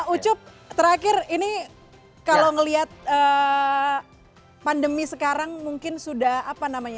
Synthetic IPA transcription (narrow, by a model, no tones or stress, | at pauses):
ut͡ʃʊp̚ | t̪əɾakɪrini | kalowŋəliɦat̪̚əː | pandəmisəkaɾaŋmuŋkɪnsudahapanamaɲa